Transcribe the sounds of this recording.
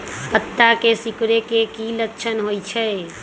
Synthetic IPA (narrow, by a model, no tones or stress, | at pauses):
pət̪ːakesikɾekekiləkt͡ʃʰənɦojt͡ʃʰɛ